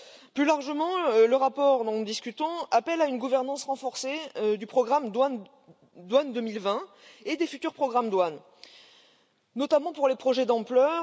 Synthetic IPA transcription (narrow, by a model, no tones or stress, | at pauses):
plylaʁʒəmɑ̃ləʁapɔʁd̪ɔ̃nud̪iskʲyt̪ɔ̃apɛlaynɡuvɛʁnɑ̃sʁɑ̃fɔʁsed̪ypχɔɡʁamd̪wan | d̪wand̪əmilvɛ̃ | ed̪efyt̪yʁpχɔɡʁamd̪wan | nɔt̪amɑ̃puʁlepχɔʒɛd̪ɑ̃plœ